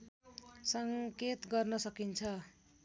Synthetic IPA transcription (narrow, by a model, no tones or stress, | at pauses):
sʌŋket̪ɡʌrnʌsʌkint͡sʰʌ